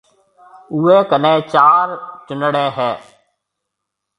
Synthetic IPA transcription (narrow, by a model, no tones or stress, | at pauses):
ueːkənẽːt͡ʃaːɾt͡ʃʊnəɽẽːɦɛː